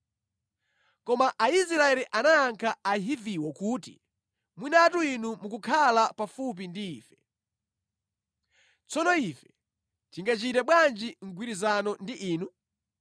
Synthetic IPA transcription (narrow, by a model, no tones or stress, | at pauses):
kɔmaʔais̬ɾaɛliʔanaːŋkʰaaɦiviwɔkuːtḭ | mwinatuinumukukʰalapafup̬indiːfɛ̥ | t͡sɔnɔifɛ̥ | tiŋɡat͡ʃitaɓwand͡ʒiŋ̩ɡwiɾizanɔndiʔiːnu